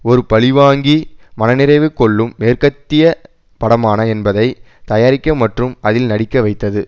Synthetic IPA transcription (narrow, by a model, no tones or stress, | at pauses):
ɔɾɯpɐɭɪʋaːŋɡimɐnɐnɪɾɐɪʋɯkːɔɭːɯmːeːrkɐt̪ːɪjɐ | pɐɽɐmaːnɐɛnbɐðɐɪ | t̪ɐjaːɾɪkʲːɐmɐʈrɯmɐðɪlnɐɽɪkːɐʋɐɪt̪ːɐðɯ